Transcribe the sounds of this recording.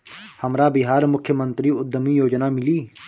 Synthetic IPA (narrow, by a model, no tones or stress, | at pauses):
həmɾaːbɪɦaːɾmʊkʰjəmə̃nt̪ɾiːʊd̪ʱːəmijoːd͡ʒnaːmɪliː